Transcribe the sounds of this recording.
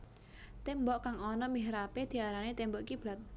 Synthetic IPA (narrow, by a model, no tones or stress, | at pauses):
t̪embɔʔkaŋɔnɔmiɦɾaped̪̥i̤aɾanet̪embɔʔkib̥lat̪̚